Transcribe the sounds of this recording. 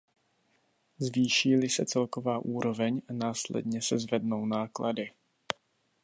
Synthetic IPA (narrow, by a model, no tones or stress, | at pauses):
zviːʃiːlɪsɛt͡sɛlko̞vaːʔuːɾo̞vɛɲanaːslɛ̰dɲɛsɛzvɛdno̞wnaːklʔadɪ